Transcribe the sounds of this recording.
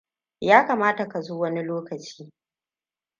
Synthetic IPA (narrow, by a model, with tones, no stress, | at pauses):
jaː˦kaː˨maː˦ta˨ka˨zoː˦wɐ˦ni˦loː˦kɐ˨t͡ʃi̥ː˦